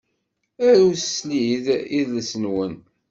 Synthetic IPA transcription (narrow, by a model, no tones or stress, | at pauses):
æɾussliðiðləsənwən